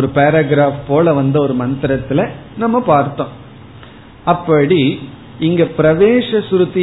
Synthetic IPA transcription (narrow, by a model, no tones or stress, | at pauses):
ɔɾɯpeːɾɐɡɪɾaːfpoːlɐʋɐnd̪ɐɔɾɯmɐnt̪ɪɾɐt̪ːɪlɐnɐmːɐpaːɾt̪ːõː | ɐpːɐɽi | ɪŋɡɐpɪɾɐʋeːʂɐsɾɯt̪ːɪ